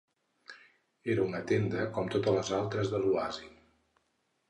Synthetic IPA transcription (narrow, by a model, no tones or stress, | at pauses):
eɾəunət̪end̪əkɔmt̪ot̪ələzalˠt̪ɾəzðəluazi